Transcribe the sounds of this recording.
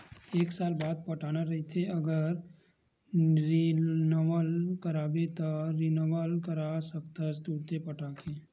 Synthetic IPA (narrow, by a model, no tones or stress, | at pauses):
eːksaːlbaːd̪̚pɐʈʰaːnaɾɐɦit̪ʰeɐɡəɾ | ɾnʋəlkəɾaːbet̪aɾɪnəʋəlkəɾasək̚t̪ast̪uːɽt̪epɐʈʰaːkeː